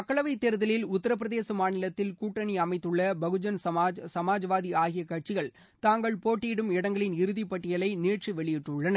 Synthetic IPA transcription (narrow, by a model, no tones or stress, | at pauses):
ɐkːɐɭɐʋɐɪt̪ːɛɾɯðɐlɪlʊt̪ːɐɾɐp̬ːɾɐðeːsɐmaːnɪlɐt̪ːɪlkuːʈːɐniɐmɐɪt̪ːɯɭːɐbɐɣɯd͡ʒɐnsɐmaːsɐmaːd͡ʒɐʋaːðiaːɣɪjɐkːɐʈ̚t͡ʃɪɣɐɭ | t̪aːŋɡɐɭpoːʈːiːɽɯmɪɽɐŋɡɐɭɪnɪɾɯðipːɐʈːɪjɐlɐɪneːʈriʋɛɭɪjɪʈːɯɭːɐnɐ